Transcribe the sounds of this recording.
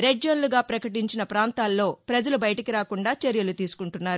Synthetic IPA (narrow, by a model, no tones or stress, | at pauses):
ɾeɖd͡ʒonluɡaːpɾɐkɐʈiɲt͡ʃinɐpɾaːnt̪aːlːo̞ːpɾɐd͡ʒɐlubɐjɐʈɐkiɾaːkuɳɖaːt͡ʃeɾjɐlut̪iːsu̥kuɳʈunːaːɾu